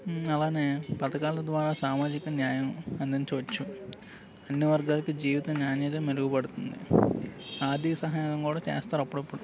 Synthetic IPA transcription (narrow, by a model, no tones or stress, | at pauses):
ɐlaːne̞ːpɐt̪ɐkaːlɐd̪ʋaːɾaːsaːmaːd͡ʒikɐnjaːjɐmɐnd̪ɐnit͡ʃiʋɐt͡ʃːu | ɐnːiʋɐɾɡaːlɐkid͡ʒiːʋit̪ɐnjaːnjɐt̪̬ɐmeluɡubɐɽut̪und̪ḭ | aːd̪ʱikɐsɐɦaːjaŋɐmkuːɽaːt͡ʃḛːst̪aːɾɐpːuɽɐpːuɽu